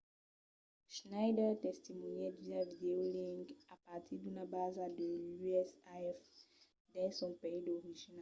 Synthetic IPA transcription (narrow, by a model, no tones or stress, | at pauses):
ʃnajdɛtɛst̪imunɛ̃d̪izavid̪eolĩŋɡapat̪ʰidunabazadəlyɛsaɛf | dɛ̃sɔ̃peidoʁiʒina